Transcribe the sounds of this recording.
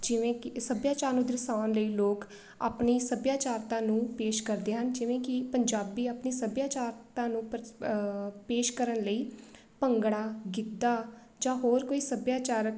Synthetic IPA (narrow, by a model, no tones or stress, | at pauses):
d͡ʒɪʋẽːkɪsəbjaːt͡ʃaːɾnũːd̪ɪɾɪsaːnləiːloːk | a̰ːpniːsəbjaːt͡ʃaːɾt̪ãːnũːpeːʃkəɾd̪eːɦənd͡ʒɪʋẽːkɪpəɲd͡ʒaːbiːaːpniːsəbjaːt͡ʃaːɾt̪ãːnũːp | peːʃkəɾənləiː | pəŋɡɽaːɡɪd̪ːaː | d͡ʒãːɦoːɾkoːiːsəbjaːt͡ʃaːɾək